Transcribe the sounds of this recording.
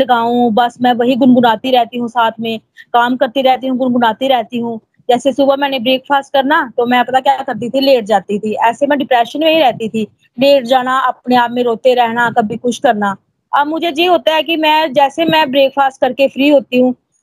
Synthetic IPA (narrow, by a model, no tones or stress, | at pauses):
ləɡaːũbəsmɛ̃ːʋɐɦiɡʊnɡʊnaːt̪iɾɛɦt̪iɦũsaːt̪ʰmẽːkaːmkəɾt̪iɾɛɦt̪iɦũɡʊnɡʊnaːt̪iɾɛɦt̪iɦũː | d͡ʒɛːsesʊbəmɛ̃ːnebɾeːkfʰaːsʈ̚kəɾnaːt̪oːmɛ̃ːpɐt̪akjaːkəɾt̪̬it̪ʰileːʈ̚d͡ʒaːt̪it̪ʰiɛːsemɛ̃ːɖɪpɾɛːʃənmẽɦiɾɛɦt̪it̪ʰiː | leːʈd͡ʒaːnaəp̚neaːpmẽɾoːt̪eɾɛɦnaːkəbʱikʊt͡ʃʰkəɾnaː | əbmʊd͡ʒʱejeɦoːt̪aɦɛkimɛ̃ːd͡ʒɛːsemɛ̃ːbɾeːkpʰaːsʈ̚kəɾkefʰɾiːɦoːt̪iɦũː